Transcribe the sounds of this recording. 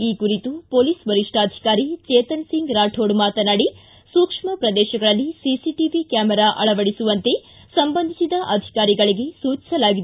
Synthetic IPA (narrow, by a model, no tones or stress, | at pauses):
iːkuɾit̪upoːliːsbɐɾiʂʈaːd̪ʱi̥kaːɾit͡ʃeːt̪ɐnsiŋɡɾaːʈʰoːɖmaːt̪ɐnaːɽi | suːkʂmɐpɾɐd̪ɛːʃɐɡɐɭɐlːisisiʈiʋikjaːmɛɾaːʔɐɭɐʋɐɽisuʋɐnt̪e̞ | sɐmbɐnd̪ʱi̥sid̪ɐʔɐd̪ʱi̥kaːɾiɡɐɭiɡe̞suːt͡ʃi̥sɐlaːɡid̪